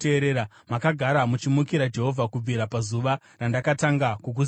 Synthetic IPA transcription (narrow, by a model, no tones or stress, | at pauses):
eːɾeːɾa | makaɡʱaɾamut͡ʃimukiɾad͡ʒe̞ɦo̞vʱakub͡vʱiɾapazuʋa | randakataŋɡakuk̬u